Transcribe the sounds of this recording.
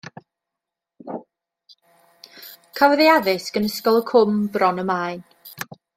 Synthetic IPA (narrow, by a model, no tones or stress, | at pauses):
kʰavðiaðɨsɡənəskɔlˠəkʰʊmbrɔnəmaːɨn